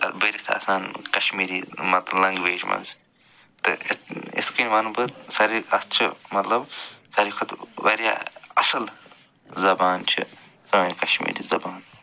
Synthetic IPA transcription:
bɐɾit̪ʰɐ̰saːnkɐʃmiːɾimɐt̪lɐlɐ̃ŋɡʋeːd͡ʒmɐ̰nz | t̪ɨ̰ḭskinʋɐnubɨsɐɾikɐst͡ʃʰimɐt̪lɐbsɐɾikʰɐt̪ʋɐɾʲja̰ːɐsɐl | zɐbaːnt͡ʃʰḭ | sɐmaːnkɐʃmḭːɾḭːzɐbaːn

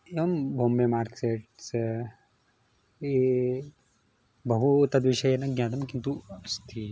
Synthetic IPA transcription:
eʋɐmbʱoːmbemaːɾkseʈs | e | bɐɦut̪ɐd̪ʋiʃɐjenɐɡnʲaːt̪ɐmkint̪uɐst̪ʰi

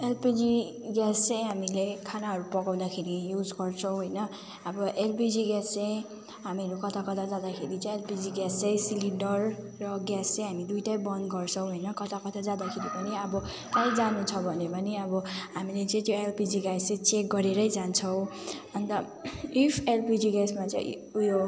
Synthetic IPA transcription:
elpid͡zi | ɡast͡sʌ̃jɦamilekʰanaɦʌɾupʌɡaw̃d̪akʰeɾijud͡zɡʌrt͡sʰʌw̃ɦojnʌ | ʌbʌʔelpid͡ziɡast͡sej̃ | ɦamiʌɾukʌt̪ʰakʌt̪ʰad͡zad̪akʰeɾit͡sãelpid͡ziɡasʌjsilinɖʌrː | ʌɡast͡sãj̃ɦamid̪ujʈajbʌnd̪ɡʌrt͡sʰʌ̃w̃ɦojnʌkʌt̪ʰakʌt̪ʰad͡zad̪akʰeɾipʌniʌbʌ | kajd͡zanut͡sʰʌbʱʌnepʌniʌbʌɦamilet͡sʌ̃j̃t̪joelpid͡ziɡasãt͡sek̚ɡʌɾeɾʌjd͡zant͡sʰʌw̃ | ʌnt̪ʌ | ipʰelpid͡ziɡasmat͡sa̰j̃ | ujo

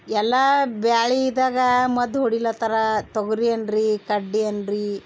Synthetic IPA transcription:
ɛlːɐbaːɭiːd̪aːɡɐmɐd̪ɦoɽilːɐt̪ɐɾɐt̪oɡɐɾiɐnɖɾikɐɖːiɐndɾi

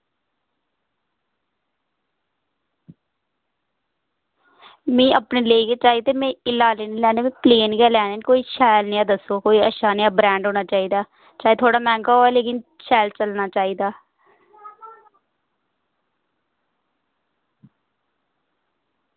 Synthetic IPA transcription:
mẽːʔəpneːleiːkeːt͡ʃaːiːt̪eːmɛ̃ːɪlaːleːnĩːlɛːneːmẽːpleːnkɛːlɛːneːnkoːiːʃɛːlnĩːãd̪əsoːkoːiːəʃaːniːaːbɾɛ̃ːɳɖɦoːnaːt͡ʃaːiːd̪aː | t͡ʃaːeːt̪ʰoːɽaːmɛ̃ːŋɡaːɦoːɛːleːkɪnʃɛːlt͡ʃəlnaːt͡ʃaːiːd̪aː

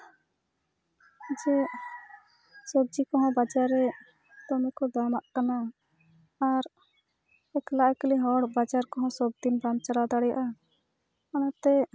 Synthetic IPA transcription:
d͡ʒɛ | sɔb̚d͡ʒikɔɦɔ̃bad͡ʒaɾːɛ | t̪ɔmɛkɔd̪amaʔkanaː | ɾ | ɛklaʔakliɦɔɽbad͡ʒaɾkɔɦɔ̃sɔbd̪inbamt͡ʃaɽad̪aɽɛja̰ʔa | kanat̪ɛ

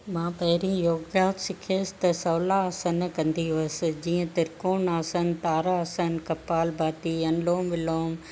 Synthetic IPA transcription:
mãːpɐɦɪɾĩjoːɡɡjaːt̪sɪkʰeːsɪ̥t̪ɐsɐːlasənkɐ̃nd̪iʋɐsɪ̆d͡ʑiːə̃t̪ɪɾkoːnaːsən̆t̪aːɾaɐsənkɐpaːlbʱaːt̪iːɐ̃nloːmʋɪloːm

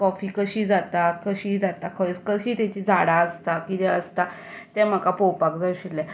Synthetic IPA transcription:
kɔfiːkəɕiːd͡zat̪akəɕiːd͡zat̪akʰəskəɕiːt̪ɛt͡ɕiːd͡zʱaɽaəst̪akit̪ɛ̃əst̪at̪ɛ̃m̤əkapowpakd͡zaɕilːɛ

